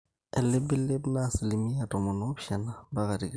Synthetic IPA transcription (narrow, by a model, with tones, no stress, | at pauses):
ɛ˨lɪ˦bɪ˦lɪ˦bna˦sɪ˨lɪ˨mi˦a˨tʼɔ˨mɔ˨nɔ˦bʃɛ˨na˨ba˦ka˨di˨k